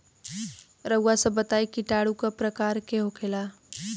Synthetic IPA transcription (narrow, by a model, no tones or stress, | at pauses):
ɾəwasebət̪aːikiʈaːɽukapɾɐkaːɾkeɦokʰeːla